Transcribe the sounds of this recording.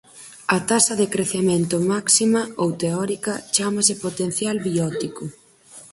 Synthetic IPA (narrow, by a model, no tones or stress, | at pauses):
ɐt̪asɐðekɾeθemẽnt̪ʊmaksimɐowt̪eɔɾikɐt͡ʃamɐsɪpot̪en̟θjalβiɔt̪ikʊ